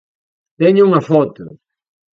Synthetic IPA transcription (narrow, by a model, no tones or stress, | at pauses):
t̪eɲʊuŋɐfɔt̪ʊ̰